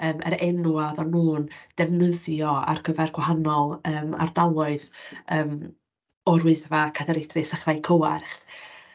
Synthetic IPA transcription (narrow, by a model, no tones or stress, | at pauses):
əːmə̰ɾɛnuaðɔnuːnd̥ɛvnəðjɔa̰rɡ̥ʰəvɛrɡ̥waɦanɔlˠəːma̰rdalˠʊɨðəːm | ɔrwɪɨðvakʰadaɾɪdrɪsaχrajkʰəwarχ